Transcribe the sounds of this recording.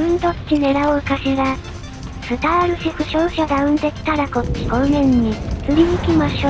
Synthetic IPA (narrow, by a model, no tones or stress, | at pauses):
ɯ̟̃nt̪o̞t͡ɕine̞ɾaoɯkaɕiɡa | sɯt̪aːɾɯ̟ɕikɯ̟ɕoɯɕad̪aɯ̃nd̪e̞ki̥t̪aɾakoi̥konẽ̞ɲːit͡sɯɾʲiɲikʲimaɕo